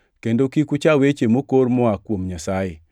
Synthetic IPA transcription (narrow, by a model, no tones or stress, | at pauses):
kendokikut͡ʃawet͡ʃemokormɔakwomɲasaje